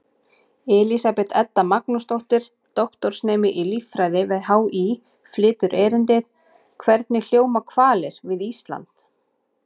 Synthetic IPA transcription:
ɛlisapɛt̪ʰɛt̪ːamaknʊst̪ɔwl̥t̪ɪɾ̥ | t̪ɔht̪ɔɾ̥snɛːmɪʔilifɾaːjðɪvɪðɦawi | flɪːt̪ʏɾʔɛːɾɪnt̪ɪð | kʰvɛɾt̪nɪl̥joːwmakʰvaːlɪɾ̥vɪðist̪la̰nt̪

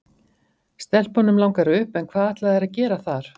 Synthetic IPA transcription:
st̪ɛl̥pɔnʏmlawŋkaɾʏhpɛnkʰvaːðaht̪laðɛɾaðcɛːɾaθaɾ̥

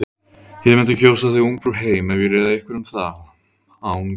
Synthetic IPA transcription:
hɪðmɛnt̪ɪ̥çoːwsaθɪuŋkɾʏɦeːjmɛnvɪrɛːðaɛhkvɪɾʏmθa | awn

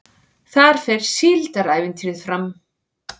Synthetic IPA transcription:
θaɾ̥fɛɾ̥siːlt̪aɾaːjvɪnt̪ʰiɾɪðfɾam

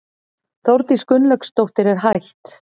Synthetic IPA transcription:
θowɾt̪iskʏnlœkst̪owht̪ɪɾɛɾ̥ɦajht̪

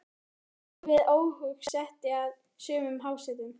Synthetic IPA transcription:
vɪðoːwhʏksɛht̪ɪað | sʏːmʏmɦaːwsɛt̪ɪn

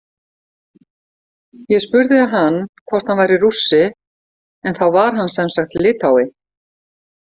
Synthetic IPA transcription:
jɛspʏɾðɪðaɦanːkʰvɔr̥t̪hanvajɾirusːɪ | ɛnθawvaɾ̥ɦanːsɛmsaxt̪ʰlːɪːt̪awɪ

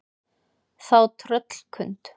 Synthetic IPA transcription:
θawt̪ʰɾœt̪l̥kʰʏnt̪

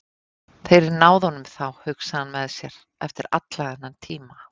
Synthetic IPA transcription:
fejɾɪɾnaːwðhɔnʏmθawhʏksaðanmɛðsjɛɾ | ɛft̪ɪɾa̰t̪laðɛnant̪ʰiːma

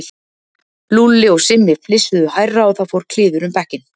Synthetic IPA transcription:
lulɪɔɣsɪmːɪflɪsʏðʏhajrːaɔθawfowɾ̥kʰl̥ɪːðʏɾʏmpɛhcɪn

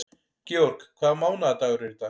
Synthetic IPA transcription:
cɛɔɾ̥kkʰvaːðmaːwnaat̪aɣʏɾɛɾt̪a

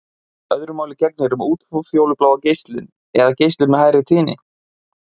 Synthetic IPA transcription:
œðɾʏmaːwlɪcɛk̚nɪɛɾʏmuːt̪fufjowlʏplaːwvacejst̪lɪn | ɛðacejst̪lɪnmɛðhɦaːjɾɪt̪ʰiːnɪ̰

